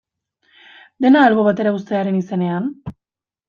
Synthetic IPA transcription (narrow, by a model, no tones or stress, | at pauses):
d̪e̞naːlβoβ̞at̪e̞ɾaust̪e̞aɾe̞nise̞ne̞an